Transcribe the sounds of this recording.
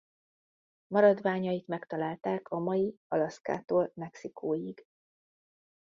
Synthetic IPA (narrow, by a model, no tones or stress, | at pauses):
mɒɾɒd̪vaːɲɒjit̪mɛkt̪ɒlaːlt̪aːkʰɒmɒjiɒlɒska̰ːt̪oːlmɛksikʰoːjiɡ̥